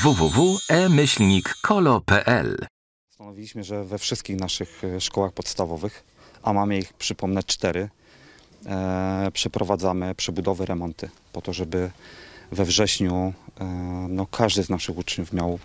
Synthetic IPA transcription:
vuvuvuɛmɘɕlɲikːʰɔlɔpɛʔɛ̰l | st̪anɔvʲilʲiɕmɘʐɛvɛfʂɘst̪̚kʲixnaʂɘxʂkɔwaxpɔt̪st̪avɔvɘx | ʔamamɘixpʂɘpɔmnɛt͡ʂt̪ɛɾɘ | pʂɛpɾʔɔvad̪zamɘpʂɛbud̪ɔvɛɾʔɛmɔnt̪ɘpɔt̪ɔʐɛbɘvɛvʐɛɕɲu | nɔkʰaʐd̪ɘznaʂɘɣut͡ʂɲufmʲjaw

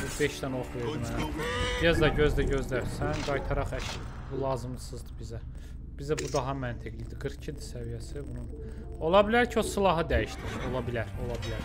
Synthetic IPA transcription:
ubeʃd̪æno̞χve̞ɾd̪imææb̥iɾæzd̪ɑɟø̞zd̪æɟøzd̪æɾsænɡɑjt̪ʰɑɾɑχæc | bulˠɑːzɯmlˠɯsɯzd̪ɯbizæ | b̥izæbud̪ɑɦɑmænt̪ʰiɡlid̪iɡɯɾcʰid̪isævijæsibunun | o̞lˠɑbilæɾcʰio̞silˠɑɦɯd̪æjiʃd̪io̞lˠɑbilæɾo̞lˠɑbilæɾ

